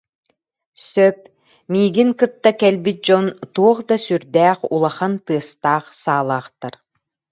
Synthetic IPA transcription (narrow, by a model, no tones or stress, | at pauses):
sœp̚ | miːɡiŋkɯt̪ːakɛlbit̪̚d͡ʑɔnt̪uɔχd̪asyɾd̪æːχulˠaχant̪ɯɐst̪aːχsaːlˠaːχt̪aɾ